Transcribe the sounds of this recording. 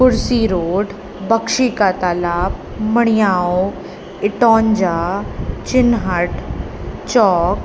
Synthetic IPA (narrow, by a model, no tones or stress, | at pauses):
kʊɾsiːɾoːʈ | bɐkʃiːkat̪aːlaːp | mɐɽ̃ɪjaːo | ɪʈɔːɲd͡ʒaːt͡ʃɪnɦəʈ | t͡ʃɔːk